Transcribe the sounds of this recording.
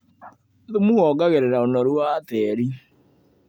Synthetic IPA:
ðomuhɔɡaɣeɾeɾaonɔɾuatɛːɾi

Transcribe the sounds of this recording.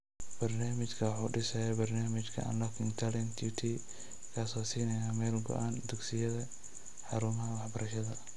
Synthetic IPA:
bɐrnaːmɪt͡ʃkʰɐwħuːɖɪsɛjɛbɐrnaːmɪt͡ʃkʰɐ̰ɐ̰nlɔkʰɪŋɡt̪ʰalɛnt̪ʰut̪ʰiː | kʰaːsɔːsiːnɛjaːmɛːlɡɔ̰ʔaːnd̪ʊɡsɪjɐðɐ | ħɑɾumɦɐwɑħbɐɾɐʃɐðɐ

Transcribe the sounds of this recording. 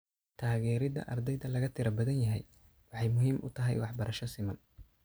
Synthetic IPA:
t̪ʰaːɣɛːɾɪðɐ̰ʔɐrd̪ɛjðɐlɐɣɐt̪ʰɪɾɐbɐðɐnjɐɦɛj | wɑħɑjmʊɦiːmʔʊ̰t̪ʰɐɦɛ̰jwɑħbɐɾɐʃɐsɪmɐn

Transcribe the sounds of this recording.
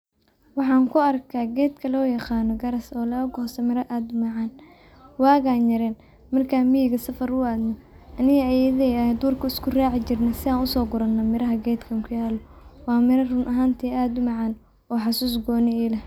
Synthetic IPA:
wɑħɑːŋkʰʊɐrkʰaːɡɛːd̪kʰɐlɔːjɑqɑːnɔɡɐɾɐsɔːlɐɐɡɔhsɐmɪɾɐʔaːd̪ʊmɑʕɑːn | wɑːɣaːnjɐɾɛːn | mɐrkʰaːnmijɪɣɐsɐfɐɾʊaːd̪nɔ | ʔɐnɪɣɐɐjɛðɛjɐd̪uːrkʰʊɪskʰʊraːʕɪt͡ʃɪrnɐsɪaːnʊsɔːɡʊɾɐnːɐmɪɾɐɦɐɡɛːd̪kʰɐŋkʰʊjaːlɔ | wɑːmɪɾɐrʊnʔɐɦaːnt̪ʰɛːaːd̪ʊmɑʕɑːn | ɔːħɑsuːs̬ɡɔːnɛɛːlɐ

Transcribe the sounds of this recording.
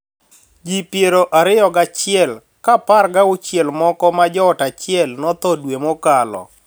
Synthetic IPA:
d͡ʒipjeɾoʔaɾɪjɔɡat͡ʃɪɛl | kaparɡaʊt͡ʃjelmɔkɔmad͡ʒɔːtat͡ʃɪɛlnɔt̪ɔdwemokalɔ̰

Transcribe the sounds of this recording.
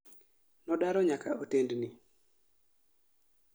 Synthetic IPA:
nɔdaɾɔɲakaotendni

